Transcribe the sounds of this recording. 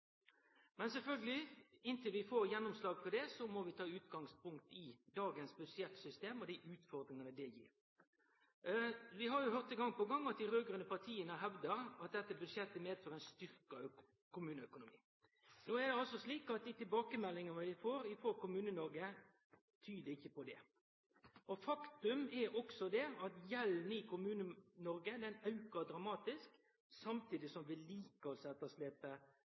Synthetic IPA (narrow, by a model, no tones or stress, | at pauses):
mɛnsɛlfœlɡəlɪɪnt̪ɪlʋɪfoːɾjɛnːɔmslɑːɡfɔd̪ɛsɔmɔʋɪt̪ʰɑːʉːt̪ɡɑŋspʰʊŋkt̪ɪd̪ɑːɡənsbʉd̪ʂɛt̪sʏst̪eːmɔd̪ɪʔʉːt̪fɔɾd̪ɾɪŋənəd̪ɛjḭːɾ | ʋɪɦɑɾjʊɦœʁt̪ɪŋɡɑŋpɔɡɑŋːɑt̪̚d̪ɪɾøːɡɾənəpɑt̪ʰiːənəɦɛʋd̪əɾɑt̪̚d̪ɛt̪ːəbʉdʂjɛt̪ːəmeːd̪føːɾɛnst̪ʏɾkə | kʊmʉːnəœkʊnʊmḭː | noːɛd̪ɛɑlsɔsliːkɑt̪̚d̪ɪt̪ɪlbɑːkəmɛlːɪŋənəʋɪfoːɾɪfoːkʊmʉːnənɔɾɡə | t̪ʰyːd̪əɪçːəpɔd̪ɛ | ɔfɑkt̪ʉmɛɾɔksɔd̪ɛɑt̪jɛlnɪkʰʊmʉːnənɔɾɡəd̪ɛnɑʉkɑd̪ɾɑmɑːt̪ɪsk | sɑmt̪ʰiːd̪ɪsɔmʋɪliːkəɔsɛt̪ːəsleːpə